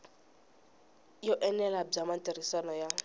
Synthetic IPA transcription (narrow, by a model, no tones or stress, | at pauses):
jɔʔɛnɛlab͡ʐamatʼeriswanɔja